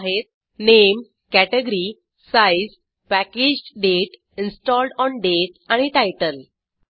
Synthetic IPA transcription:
ɦet̪̚ | nem | kæʈeɡɾi | saiz | pæked͡ʑɖeʈ | insʈɔlɖɔnɖeʈ | aɽ̃iʈajʈəl

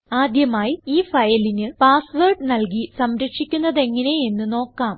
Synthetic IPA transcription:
aːd̪jɐmaːjiiːfɐjɐlinɨpaːsʋerɖɨnɐlk̬isɐmɾɐkʂikʲːunːɐðe̞ŋːɐne̞e̞nːɨno̞ːkːaːm

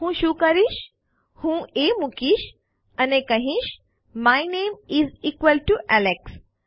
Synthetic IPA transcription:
hũːʃukəɾiʃ | hũːemukiʃ | ɐnekəɦĩʃ | majnẽːmiziːkʋəlʈuʔæleks

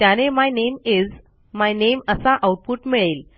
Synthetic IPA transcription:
t̪janemajnemid͡z | majneməsaʔawʈ̚puːʈmiɭel

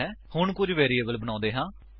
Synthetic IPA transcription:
ɛːhʊɳkʊd͡ʒʋɛːɾiːeːbəlbəñãːnd̪eːɦãː

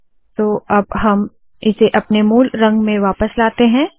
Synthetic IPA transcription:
t̪oːɐbɦɐm | ɪseʔɐpnemuːlɾɐ̃ŋɡmẽʋaːpəslaːt̪eɦɛ̃ː

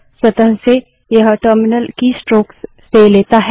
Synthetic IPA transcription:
swɐt̪əɦse | jɐɦʈəɾmɪnəlkisʈɾoːks | seleːt̪aɦ

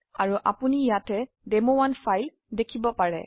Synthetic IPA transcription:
aɹuʔapunijatɛ | dɛmowanfʰajl | dekʰibɔpaɹɛ

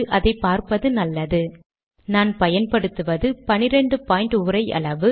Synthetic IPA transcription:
ʔɐðɐɪpːaːɾpɐðɯnɐlːɐðɯ | naːnpɐjɐnpɐɽɯt̪ːɯʋɐðɯpɐnɪɾɛɳɖɯpaːjɪɳʈʊɾɐɪʔɐ̰ɭɐʋɯ

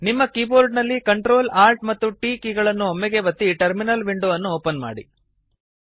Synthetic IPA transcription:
nimːɐkiːboːɾɖnɐlːikɐɳʈɾo̞ːlaːɾʈmɐt̪ːuʈiːkiːɡɐɭɐnːuomːɛɡeʋɐt̪ːiʈɐɾminɐlʋiɳɖuɐnːuoːpɐnma̰ːɽḭ

